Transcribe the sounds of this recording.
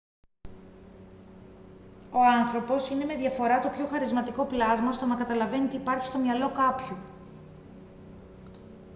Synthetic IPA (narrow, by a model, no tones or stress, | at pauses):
o̞ɐnθɾo̞po̞sine̞me̞ðʝɐfo̞ɾɐt̪o̞pço̞xɐɾizmɐt̪iko̞plɐzmɐst̪o̞nɐkɐt̪ɐlɐve̞nit̪iːpɐɾçi̥st̪o̞mɲɐlo̞kɐpçu